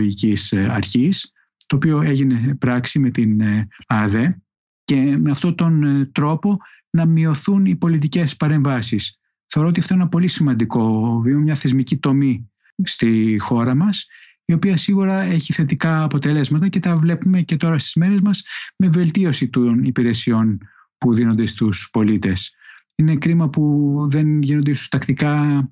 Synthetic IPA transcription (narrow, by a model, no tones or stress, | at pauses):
ʝicisɐ̰ɾçis | t̪o̞ːpio̞e̞ʝine̞pɾɐksime̞t̪inɐðe̞ | ce̞meɐft̪ot̪o̞nt̪ɾo̞po̞ | nɐmio̞θunipo̞lit̪̬ice̞spɐɾe̞ɱvɐsis | θeoɾoot̪iɐft̪oenenɐpo̞lisimɐnd̪iko̞vimɐmɲɐθe̞zmicit̪o̞mi | st̪ixo̞ɾɐmɐs | io̞piɐsiɣuɾɐe̞çiθe̞t̪̬ikɐːpo̞t̪e̞le̞zmɐt̪ɐce̞t̪ɐvle̞pume̞ce̞t̪o̞ɾɐst̪izme̞ɾe̞zmɐzme̞ve̞lt̪io̞sit̪onipiɾe̞sio̞n | puðino̞nd̪e̞st̪uspo̞lit̪e̞s | ine̞kɾimɐpuðe̞nʝinond̪isost̪ɐkt̪ikɐ